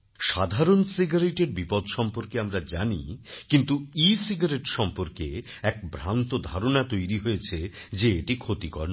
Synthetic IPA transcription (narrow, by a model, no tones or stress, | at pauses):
ʃad̪ʱaɾonsiɡaɾeʈeɾbipɔd̪ʱʃɔmpoɾkeamɾad͡ʑanḭkint̪uisiɡaɾeʈʃɔmpoɾkeɛk̚bʱɾant̪od̪ʱaɾonat̪ojɾiɦojet͡ɕʰed͡ʑeeʈikʰot̪ikɔɾn